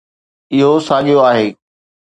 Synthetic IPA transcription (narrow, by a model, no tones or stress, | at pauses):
ɪɦosaːɠijoaːɦeː